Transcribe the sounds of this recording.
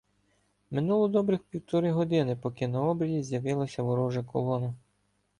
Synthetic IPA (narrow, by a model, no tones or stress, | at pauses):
mɪnulˠɔd̪ɔbɾɪxpʲiwt̪ɔɾɪɦɔd̪ɪnɪpɔkɪnɐɔbɾʲɐjʲizʲjɐʋɪlˠɐsʲɐʋɔɾɔʒɐkɔlˠɔnɐ